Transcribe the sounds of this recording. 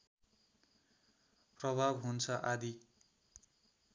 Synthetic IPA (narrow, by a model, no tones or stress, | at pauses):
prʌbʱabɦunt͡sʰʌʔad̪i